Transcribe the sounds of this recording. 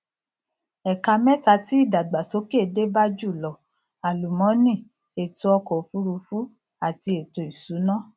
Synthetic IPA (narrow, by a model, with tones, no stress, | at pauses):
ɛ˨ka˧mɛ˦ta˧ti˨˦i˦˨da˨ɡ͡ba˨so˨˦ke˦˨de˦ba˦d͡ʒu˦˨lɔ˨ | a˨lu˨mɔ̃˨˦nĩ˦˨ | e˨to˧ɔ˧kɔ˨˦fu˦ɾu˧fu˦ | a˨ti˧e˨to˨i˨su˨˦nã˦˨